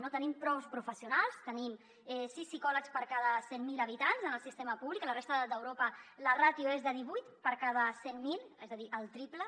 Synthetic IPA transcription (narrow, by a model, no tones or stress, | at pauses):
not̪ənimpɾɔwspɾufəsiunalˠst̪ənim | ɛsisːikɔləkspəɾkaðəsemmiləβ̞it̪anzənəlˠsist̪eməpuβlikələrest̪əd̪əwɾopələrat̪iuezðəðiβujt̪pəɾkaðəsenmilˠɛzðəðiʔəlˠt̪ɾiplə